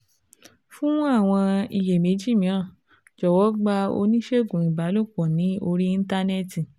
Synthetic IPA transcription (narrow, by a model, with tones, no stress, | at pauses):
fũ˦a˦˨w̃ɔ̃˧i˧˨je˨mĩ˨˦d͡ʒi˦˨mĩ˨˦ɾ̃ã˦˨ | d͡ʒɔ˨wɔ˨˦ɡ͡ba˦˧o̰˧nĩ˦ʃe˦˨ɡũ˨i˨ba˨˦lo˦˨k͡pɔ̃˨nĩ˨˦o˧ɾi˦i˦ta˦nɛ˦ti˨